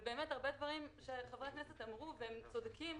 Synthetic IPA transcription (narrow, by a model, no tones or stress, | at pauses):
beːmetaʁbe̞d̪vaʁimʃeχevʁeknese̞tamʁuvehemt͡so̞dkim